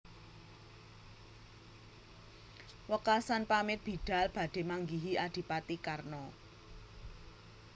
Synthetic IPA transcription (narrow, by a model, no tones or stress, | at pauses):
wəkasanpamɪt̪̚b̥i̤d̪̥a̤lb̥a̤d̪̥e̤maŋɡiɦiʔad̪̥i̤pat̪ikarnɔ